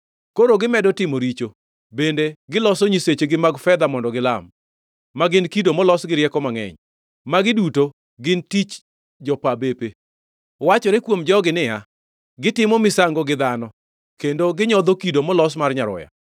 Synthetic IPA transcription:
koɾoɡɪmɛdɔtɪmoɾit͡ʃo | bendeɡɪlɔsoɲiset͡ʃeɡɪmaɡfɛd̪amɔndɔɡɪlamː | aɡɪnkidomɔlɔsɡɪɾjɛkɔmaŋɛ̰ɲ | maɡɪduto | ɡɪntit͡ʃ | d͡ʒɔpabepe | wat͡ʃɔɾekwomd͡ʒɔɡɪnɪja | ɡɪtɪmɔmɪsaŋɡɔɡɪd̪anɔ | kendoɡɪɲɔd̪okidomɔlɔsmarɲaɾɔ̰ja̰

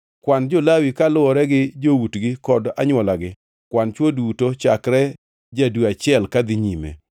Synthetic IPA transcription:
kwand͡ʒolawikalʊwɔɾɛɡɪd͡ʒowutɡɪkɔda̰ɲwɔlaɡɪ | kwant͡ʃwodutot͡ʃakɾɛ | d͡ʒadwuat͡ʃɪɛlkad̪ɪɲimḛ

